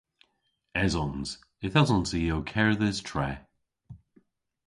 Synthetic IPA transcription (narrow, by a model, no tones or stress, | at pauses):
ɛzɔnz̥ | ɪthazə̃nsiokʰɛɹðɛz̥tʰɹ̥ɛ